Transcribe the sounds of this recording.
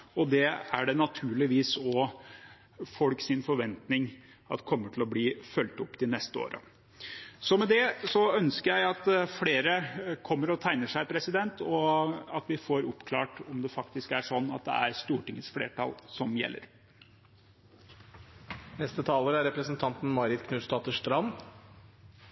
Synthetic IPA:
ɔd̪ɛæɖɛnɑt̪ʰʉːɭɪʋiːsɔ | fɔlksɪnfɔɾʋɛnt̪nɪŋ | ɑt̪kʰɔmːəʈʰɪlɔbliːfœlt̪ʊpːd̪ɪnɛst̪əo̰ːɾʔə̰ | sɔmɛd̪ɛsɔœnskəɾjæɪɑt̪fleːɾəkʰɔmːəɾɔt̪ʰæɪnəʂæɪpʰɾɛsɪd̪ɛnt̪ʰɔɑt̪ʋɪfoːɾʊpːkʰlɑːʈɔmd̪ɛfɑkt̪ɪskæʂɔnːɑt̪̚d̪ɛ̰æ̰ɾst̪uːʈɪŋːəsflḛːʈʰɑ̰lsɔmjɛ̰lːə̰ɾ | nɛst̪ət̪ʰɑːləɾəæɾɛpɾəsənt̪ʰɑnt̪n̩mɑɾɪt̪kʰnʉːst̪ɑːt̪əʂt̪ɾɑnː

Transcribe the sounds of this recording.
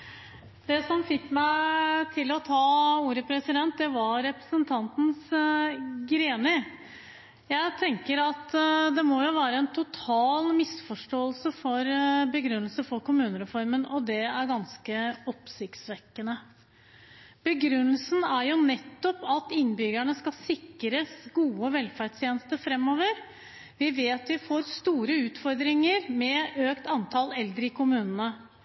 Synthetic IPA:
d̪̥ɛsɔmfɪkːmæɪt̪ʰɪlːɔt̪ʰɑːuːɾəpʰɾɛsɪd̪ɛnt̪̚d̪ɛʋɑɾɛpɾə̥sənt̪ʰɑnt̪n̩s | ɡɾeːnə | jæɪt̪ʰɛŋkəɾɑt̪d̪ɛmɔjʊʋæːɾəɛnt̪ʰʊt̪ʰɑːlmɪsfɔʂʈoːəlsəfɔɾbəɡɾʉnːəlsəfɔɾkʊmʉːnəɾɛfɔɾmənɔd̪ɛæɾɡɑnskəɔpsɪkt̪sʋɛkːənə | b̥əɡɾʉnːəlsn̩æɾjʊnɛt̪ːɔpɑt̪ɪnːbʏɡæɳəskɑsɪkːɾəsɡuːəʋɛlfæɖst̪ʰjeːnəst̪əfɾɛmːoːʋəɾ | ʋɪʋeːt̪ʋɪfoːɾst̪uːɾəʉːt̪fɔɾd̪ɾɪŋəɾmɛøːkt̪ɑnt̪ʰɑlɛld̪ɾəɪkʰʊmʉːnənə

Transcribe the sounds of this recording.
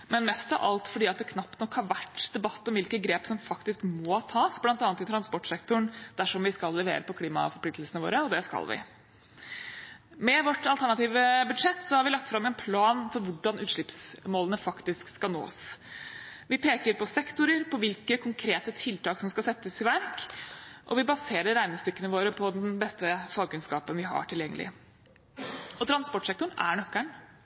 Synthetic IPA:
mɛnmɛst̪ɑ̰ʋʔɑ̰lt̪fɔɖiːɑt̪̚d̪ɛːkʰnɑpt̪nɔkʰːhɑɾʋæʈːd̪̥ɛbɑt̪ːɔmʋɪlkəɡɾeːpsɔmfɑkt̪ɪskmɔt̪ʰɑːsblɑnt̪ɑːnət̪ɪt̪ʰɾɑnspɔʈʂɛk̚t̪ʊɳd̪̥æʂɔmʋɪskɑlːɛʋḛːɾəpɔkʰliːmɑ̰fɔɾpʰlɪk̚t̪l̩sənəʋo̰ːɾəɔd̪ɛskɑ̰lʋɪ̰ | mɛʋɔʈːɑlt̪ʰæɳɑt̪iːʋəbʉd̪ʂɛt̪ːsɔhɑɾʋɪlɑkt̪fɾɑmːɛnpʰlɑːnfɔɾʋʊɖɑnʔʉːt̪ʂɭɪpsmoːlənəfɑkt̪ɪskskɑlno̰ːs | ʋɪpʰeːkəɾpɔsɛkt̪ʊɾəɾpʰɔʋɪlkəkʰʊŋkʰɾeːt̪ət̪ʰɪlt̪ʰɑːksɔmskɑlsɛt̪ːəsɪʋæɾkʔɔ̰ʋɪbɑseːɾəɾæɪnɪŋst̪ʏkːənəʋoːɾəpʰɔd̪ɛnbɛst̪əfɑɡ̚kʉnskɑ̰ːpənʋɪɦɑ̰ʈʰɪljɛŋːəlʔɪ̰ | ɔt̪ʰɾɑnspɔʈʂɛk̚t̪ʊɳæ̰ɳœkːæɳ

